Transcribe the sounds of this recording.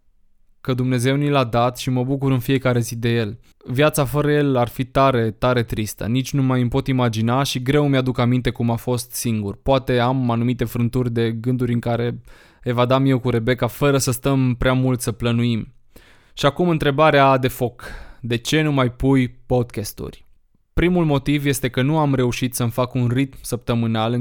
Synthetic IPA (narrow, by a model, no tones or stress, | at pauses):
kəd̪umne̞ze̞wnilad̪at̪ʃiməbuk̬uɾɨnfie̞kaɾe̞zid̪e̞je̞l | vjat̪safəɾəje̞larfit̪aɾe̞t̪aɾe̞t̪ɾist̪ə̰nit͡ʃʲnumajɨmpo̞t̪imad͡ʒinaʃiɡɾe̞wmjad̪ukamint̪e̞kumafo̞st̪siŋɡurpoat̪e̞amanumit̪e̞fɾɨnt̪urʲd̪e̞ɡɨnd̪uɾʲɨŋkaɾe̞ | evad̪amje̞wkuɾe̞be̞kafəɾəsəst̪əmpɾeamult̪səplənuim | ʃiakumɨn̪t̪ɾe̞baɾead̪e̞fo̞kd̪e̞t͡ʃe̞numajpujpo̞d̪̚kʲest̪ṵrʲ | pɾimulmo̞t̪ivje̞st̪e̞kənuamɾe̞uʃit̪səmfakunrit̪msəp̚t̪əmɨnalɨ